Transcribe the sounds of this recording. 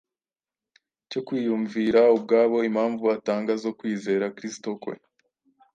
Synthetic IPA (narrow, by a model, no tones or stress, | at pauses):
co̞kwiːjuɱviːɾaub̚ɡaːβo̞imhaːɱvuataːŋɡazo̞kwiːze̞ːɾakɾisto̞kwḛ